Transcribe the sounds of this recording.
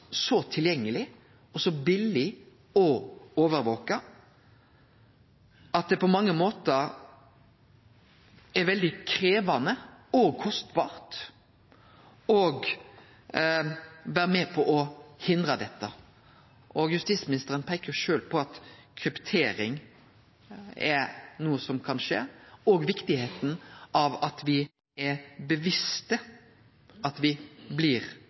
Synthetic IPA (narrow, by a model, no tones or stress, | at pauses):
sɔt̪ʰɪljɛŋːəlɪ | ɔsɔbɪlːɪ | ɔoːʋəɾʋoːkɑ | ɑt̪̚d̪ɛpɔmɑŋːəmoːt̪əɾ | ɛɾʋɛld̪ɪkʰɾeːʋɑnəɔɡ̚kʰɔst̪bɑːɾt̪ | ɔɡ | ʋæːɾmɛpʰɔʔɔhɪnd̪ɾəd̪ɛt̪ːə | ʔɔɡjʉst̪iːsmɪnɪst̪əɾənpʰɛkəɾʂøːlpʰɔɑt̪kʰʁɪpt̪ʰeːɾɪŋ | ɛnuːəsɔmkʰɑnʂḛːɔɡʋɪkt̪ɪheːt̪n̩ʔɑʋɑt̪ʋɪ | ɛbəʋɪst̪ə | ɑt̪ʋɪblɪɾ